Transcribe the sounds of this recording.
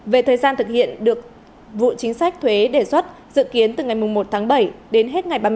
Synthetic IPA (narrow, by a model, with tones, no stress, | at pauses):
ve˨˩t̪ʰəː˨˩jzaː˧nt̪ʰɨ˨˩k̚hḭ˧˨ənɗɨ˨˩ək̚ | vṵ˧˨t͡ɕï˨˦ŋ̟sa˦˥k̚t̪ʰwe˨˦ɗe˧˩swə˦˥t̚zɨ̰˧˨ki˨˦ənt̪ɨ˨˩ŋa˨˩jmʊ˨˩ŋ͡mmo˨˩t̚t̪ʰaː˨˦ŋɓə˧˩jɗe˨˦nɦe˦˥t̚ŋa˨˩jɓaː˧